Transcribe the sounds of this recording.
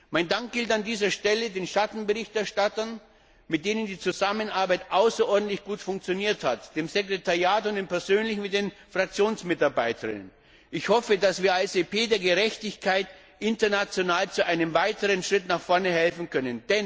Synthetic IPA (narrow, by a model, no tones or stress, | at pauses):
maɪndaŋk̚ɡ̥ɪltandiːzɐʃtɛlədeːnʃatn̩bəʁɪçtɛɐʃtatɐn | mɪt̚d̥eːnəndiːt͡suzamənaɐbaɪtʔaʊsɐʔɔɐdn̩tlɪçɡ̥uːtfʊŋk̚t͡sjoniːɐthatd̥eːmzekʁ̥etʰaʁjaːtʊntiːmpɛɐzøːnlɪçnmɪt̚d̥enfʁ̥ak̚t͡sjoːnsmɪtaɐbaɪtʰə̰ʁɪ̰nə̰n | ʔɪçhɔfədasv̥iːɐasepeːdeːɐɡəʁɛçtɪçkʰaɪt | ʔɪntɐnat͡sjonaːlt͡suʔaɪnəmvaɪtəʁənʃʁ̥ɪtnaχfɔɐnəhɛlfn̩kʰœnənd̥ɛn